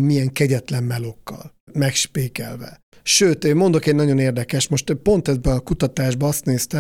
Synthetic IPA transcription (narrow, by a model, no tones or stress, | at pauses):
mijɛŋkɛɟɛt̪lɛmːɛlo̞kːɒ̰lmɛkʃpeːkɛlvɛ̰ | ʃøːt̪eːmːo̞nd̪o̞kɛːɟnɒɟo̞neːrd̪ɛkɛʃmo̞ʃt̪po̞nt̪ɛzbɛɒkut̪ɒt̪aːʒbɒɒst̪neːst̪ɛ